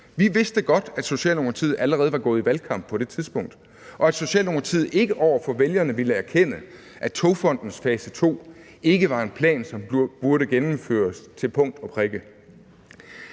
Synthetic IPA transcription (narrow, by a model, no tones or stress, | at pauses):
ʋiʋe̝sd̥əɡ̥ɒ̽d̥æd̥so̝ɕɛ̰ːlno̝ŋɐt͡sʰið̩̰ˠæləʁɛːð̩ˠʋɑ̈ɡ̥ɔ̽ːð̩ˠiʋælkʰɑ̈m̰b̥̚pʰɒ̽d̥e̝t͡sʰið̞ˠsb̥ɔ̽ŋ̰d̥ | ʔɒ̽æd̥so̝ɕɛ̰ːlno̝ŋɐt͡sʰið̞̩̰ˠe̝ɡ̥əʔɒʊ̰ɐfɒ̽ʋeljɐnəʋiləæɐkʰen̰ə | ʔæt͡sʰo̝fɒ̽n̰d̥n̩sfɛːsət͡sʰo̝̰ː | e̝ɡ̥əʋɑ̈e̝npʰlɛ̰ːnsɒ̽mb̥uɐɾəɡ̥enm̩fø̰ːɐst͡sʰe̝lpʰɔ̽ŋ̰d̥ɒ̽pʰʁɛɡ̥ə